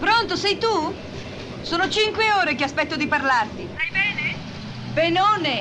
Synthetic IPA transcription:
pɾont̪osɛjt̪u | soːnot͡ʃiŋkweoːɾekeaspɛt̪ːod̪iparlart̪it̪ajbɛːne | penoːne

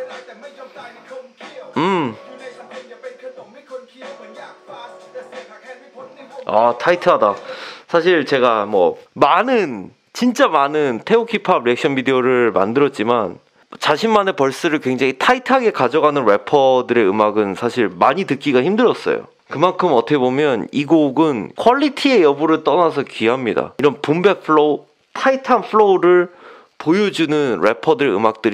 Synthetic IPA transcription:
ɯm | atʰaitʰɯɦadasʰaɕʰiɭt͡ɕe̞ɡamwʌmanɯn | t͡ɕint͡ɕ͈amanɯntʰe̞okʰipʰabɾek̚ɕ͈ʰʌnbideoɾɯɭma̰ndɯɾʌt̚t͡ɕ͈iman | t͡ɕaɕʰinmane̞pʌɭs͈ɯɾɯɭkwe̞ŋd͡ʑaŋitʰaitʰaɡe̞kad͡ʑʌɡanɯnɾe̞pʰʌdɯɾe̞ɯmaɡɯnsʰaɕʰiɭmaɲitɯk͈iɡaçimdɯɾʌs͈ʌ̰jo̰ | kɯmankʰɯmʌtʰʌkʰe̞bomjʌniɡoɡɯnkʰwʌʎːitʰie̞jʌbuɾɯɭt͈ʌnasʰʌkɥiɦamɲida̰iɾʌnpumbe̞pʰɯɭo | tʰaitʰanpʰɯɭoɾɯɭ | pojod͡ʑunɯnɾe̞̰pʰʌdɯɾeɯ̰mak̚t͈ɯɾ

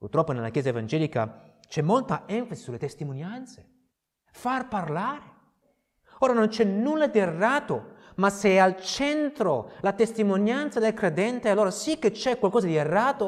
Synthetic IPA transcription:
purt̪ɾɔpːonelːa̰k̟jɛːzaevand͡ʒɛːlika̰t͡ʃɛmːolt̪aɛɱfasisulːet̪est̪imonjant̪se̥ | farparlaːɾe | oːɾanont͡ʃɛnnulːad̪ierːaːt̪omaseɛalt͡ʃɛnt̪ɾolat̪est̪imonjant̪sad̪elkɾed̪ɛnt̪ealːoːɾasikːet͡ʃːɛkwalkɔːzad̪ierːaːt̪o

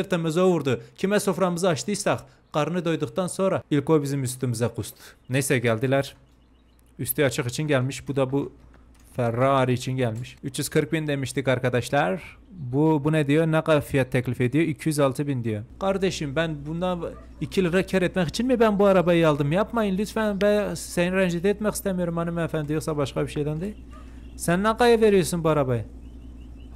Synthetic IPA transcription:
seɾt̪ɛmøzowuɾd̪ukʲʰimɛsofɾɑmɨzɨɑʃt̪ɨjsɑχ | qɑɾnɨd̪ojd̪ʊχt̪ɑnsoɾɑilkobizɪmyst̪ymizɛqʰust̪ʰɨ̥nesɛɡʲɛld̪ɪlæɾ | yst̪iɑt͡ʃʰɨqit͡ʃʰinɡʲɛlmiʃbud̪ɑbu | fɛɾːɑːɾit͡ʃʰinɡʲɛlmiʃyt͡ʃjyz̥kʰɨɾk̚bind̪emiʃt̪ikʰɑɾkɑd̪ɑʃlˠɑɾ | bubunɛd̪ejonɛqɑfijɑt̪ʰːɛkʲlifed̪ijoikʲʰːijyzɑlˠt̪ʰɨbind̪ejoqɑɾd̪eʃimbɛnbund̪ɑn | ikʲʰːilɾɑkʲʰɛɾet̪mɛχit͡ʃʰinmibɛnbuɑɾɑbɑjɑlˠd̪ɨmjɑpmɑjinlyt̪fɛnbɛsɛjnɾɛnd͡ʒit̪ɛet̪mɛχi̥st̪ɛmijoɾumːɑnɨmɛnfɛnd̪ejosɑbɑʃqɑbiʃɛjd̪ɛnd̪ɪ | sɛnːɛqɑjɑveɾijosunbuɑɾɑbɑj

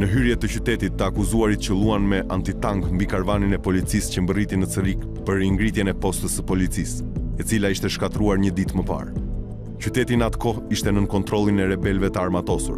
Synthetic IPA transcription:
nəɦyɾjɛt̪ːəcyt̪ɛt̪it̪ːəakuzuaɾit̪cəlˠuanmɛʔa̰nt̪it̪aŋɡmbikaɾvaninɛpɔlit͡siscəmbərit̪inət͡səɾik | pəɾiŋɡɾit̪jɛnɛpɔst̪əsəpɔlit͡sis | ɛt͡silaiʃt̪ɛʃkat̪ɾuaɾɲəd̪it̪məpa̰ɾ | cyt̪ɛt̪inat̪kɔiʃt̪ɛnənkɔnt̪ɾɔlˠinɛɾɛbɛlvɛt̪əaɾmat̪ɔsṵɾ

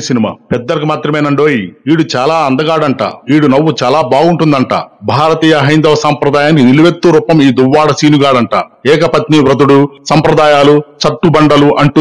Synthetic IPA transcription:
sinima̰ːpɛd̪ːɐɾɐkumaːt̪ɾɐmeːnɐɳɖoːjiiːɽut͡ʃaːlaːɐnd̪ɐɡaːɽɐɳʈa̰ːiːɽunɐʋːut͡ʃaːlaːbaːɡuɳʈund̪ɐɳʈa̰ːbʱaːɾɐt̪iːjɐɦɐjnd̪ɐʋɐsaːmpɾɐd̪aːjaːnikiniluʋet̪ːuɾuːpɐmiːd̪uʋːaːɽɐsiːnuɡaːɽɐɳʈa̰ːɛːkɐpɐt̪niʋɾɐd̪uɽusɐmpɾɐd̪aːjaːlut͡ʃɐʈːubɐɳɖɐluʔɐɳʈu

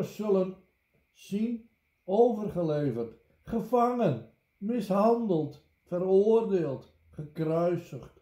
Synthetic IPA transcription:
sɵlən | sin | owvərχəlejvərt | χəfaŋən | mɪsɦɑndəlˠt | fəɾoːərdeːlˠt | χəkrœɥsəχt

